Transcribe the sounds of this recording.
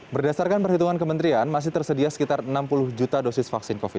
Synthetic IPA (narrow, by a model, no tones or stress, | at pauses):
bərdasarkanpərɦit̪uŋankəmənt̪ɾianmas̬ɪht̪ərsədiasə̥kit̪arnampulʊhd͡ʒut̪adosɪsfaksɪnkofit̪